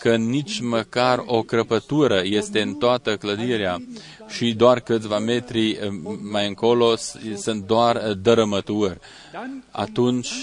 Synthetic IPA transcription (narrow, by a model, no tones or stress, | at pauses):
kənit͡ʃʲməkaro̞kɾəpət̪uɾəje̞st̪e̞ɨnt̪oat̪əkləd̪iɾea | ʃid̪oarkɨt̪sʲvame̞t̪ɾimajɨŋko̞lo̞sɨnt̪̚d̪oard̪əɾəmət̪urʲ | a̰t̪unt͡ʃʲ